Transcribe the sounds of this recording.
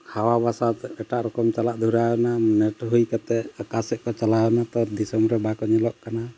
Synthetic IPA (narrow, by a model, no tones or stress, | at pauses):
hʰawabasat̪ɛʈaʔɾɔkɔmt͡ʃalaʔd̪ʱuɾajɔnanɛʈɦujkat̪ɛkasɛʔkɔt͡ʃalajɔnat̪ɔd̪isɔmɾɛbakɔɲɛlɔʔkana